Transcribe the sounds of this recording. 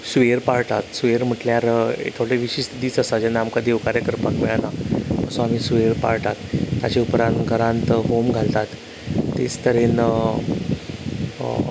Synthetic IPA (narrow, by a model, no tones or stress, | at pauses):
sʋeɾpaɾt̪at̪sʋeɾm̤əʈljaɾḛt̪ʰoɽeʋiɕiːst̪ʰəd̪iːt͡səsad͡ʑanːaːmkad̪eʋkaɾjəkəɾpakmeɭanaəsũam̤iːsʋeɾpa̰ɾʈ̪at̪ːa̰t͡ɕeupɾãnt̪ɡʱəɾãnt̪ɦomɡʱalt̪at̪ː | ḛt͡st̪əɾen